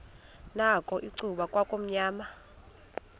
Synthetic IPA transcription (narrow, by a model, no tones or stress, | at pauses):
nakʼɔʔiǀuɓakʼwakʼom̩ɲaːma